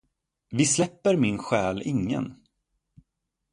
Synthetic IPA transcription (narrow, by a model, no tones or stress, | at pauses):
vɪslɛpːəɾmɪnɧɛːlɪŋːə̰n